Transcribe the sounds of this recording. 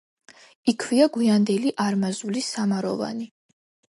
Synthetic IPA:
ikʰviaɡwiand̪ɛliʔaɾmazulisamaɾɔva̰ni

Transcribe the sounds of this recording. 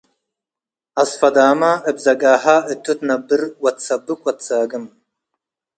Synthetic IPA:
ɐsfɐd̪aːmaɨbzɐɡaːɦaɨt̪ʰːut̪nɐbɨɾwɐt̪t͡sɐbɨkʷʼwɐt̪t͡sʰaːɡɨm

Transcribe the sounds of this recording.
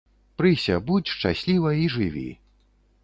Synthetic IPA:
pɾɨsʲɐbut͡sʲʂt͡ʂa̰sʲlʲivɐiʐɨvʲḭ

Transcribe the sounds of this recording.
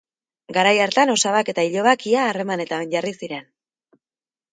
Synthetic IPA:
ɡaɾajaɾt̪ano̞saβake̞t̪aiʎo̞βakiaːre̞mane̞t̪aβeɲɟarisiɾe̞n

